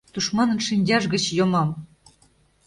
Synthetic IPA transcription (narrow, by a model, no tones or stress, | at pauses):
t̪uʃmɑnɤ̆nʃinʲdʲɑʒɣə̆t͡ɕjomɑm